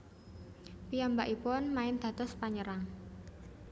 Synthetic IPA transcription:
piambaʔipɔnmaɪnd̪̥a̤t̪ʊspaɲəɾaŋ

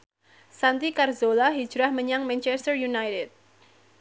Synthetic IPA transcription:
sant̪ikarzolaɦi̥d͡ʒɾahməɲaŋmɛnt͡ʃɛst̪ərjunajtɪd̪̚

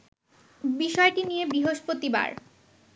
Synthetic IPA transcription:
biʃɔeʈinijebɾiɦoʃpot̪iba̰ɾ

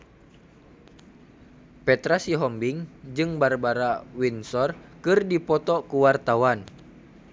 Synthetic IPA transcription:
pɛt̪ɾasiɦɔmbiŋd͡ʒɨŋbarbaɾawinsɔrkɨrdipɔt̪ɔkuwart̪awan

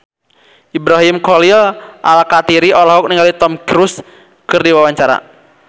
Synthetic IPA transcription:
ʔibɾaɦimkɔlilʔa̰lkat̪iɾiʔɔlaɦɔk̚niŋɡalit̪ɔmkɾus | kɨrdiwawaɲt͡ʃaɾa̰

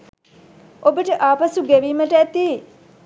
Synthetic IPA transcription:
obəʈəʔaːpɐsuɡeʋiːməʈəæt̪i

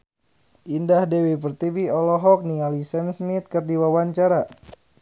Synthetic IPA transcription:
ʔindahdewipərt̪ibiɔlɔɦɔk̚nialisɛnsmit̪̚kɨrdiwawaɲt͡ʃaɾa

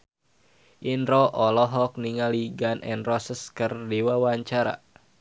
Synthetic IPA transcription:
ʔinɾɔʔɔlɔɦɔk̚niŋaliɡanʔɛ̰nrɔsəskərdiwawaɲt͡ʃaɾa̰

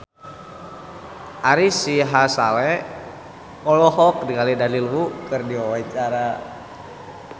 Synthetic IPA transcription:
ʔaɾisiɦasalɛ | ɔlɔɦɔk̚dikalidalilwukɨrdiɔwat͡ʃaɾa

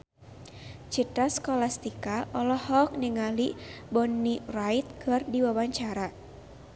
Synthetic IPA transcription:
t͡ʃit̪ɾaskɔlast̪ikaʔɔlɔhɔk̚niŋalibɔnːirait̪̚kʰɨrdiwawaɲt͡ʃaɾa

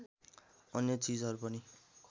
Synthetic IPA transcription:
ʌnjʌt͡sid͡zʌɾupʌni

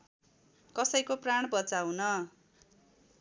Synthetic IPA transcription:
kʌsʌjkopraɳ̃bʌt͡sawnʌ

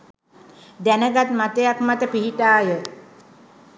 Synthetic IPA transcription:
d̪ænəɡat̪mat̪əjakmat̪əpiɦiʈaːjə

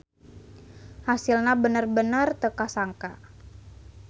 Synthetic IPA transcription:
hasilnabənərbənərt̪əkasaŋka

